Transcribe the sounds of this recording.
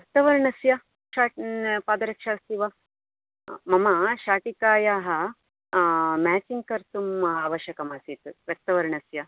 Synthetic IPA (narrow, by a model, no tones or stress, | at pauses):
ʋjɐk̚t̪ɐʋɐɾɳɐsjɐ | ʃaːʈpaːd̪ɐɾɐkʂaːst̪iʋa | mɐmɐʃaːʈikaːjaːɦɐ | mæːt͡ʃiŋɡkɐɾt̪umaːʋɐʃjɐkɐmaːsit̪uʋjɐk̚t̪ɐʋɐɾɳɐsjɐ